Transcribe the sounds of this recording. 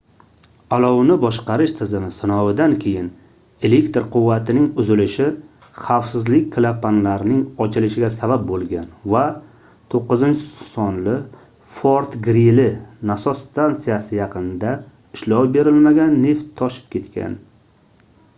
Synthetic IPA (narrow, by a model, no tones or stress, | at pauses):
alˠɒwnɪbɒʃqɑɾɪʃt̪ʰɪzɪmɪsɪnɒwɪd̪ankʲʰe̞jɪn | e̞lekt̪ɾqʰʊvːat̪ʰɪnɪŋʊzɪlɪʃɪ | χawfsɪzlɪkʲkʰlˠapːanlaɾnɪŋɒt͡ʃʰɪlɪʃɪɡʲasabap̚bolˠɡʲanva | t̪ʰoqːɨzɪnt͡ʃʰɪsɒnlɪ | foɾt̪ɡɾilɪnasɒst̪ʰant̪sijasɪjɑqʰɨnd̪a | ɪʃlɒwbe̞ɾɪlmaɡʲanːe̞ft̪ʰːɒʃɪ̥p̚kʲe̞t̪kʲʰa̰n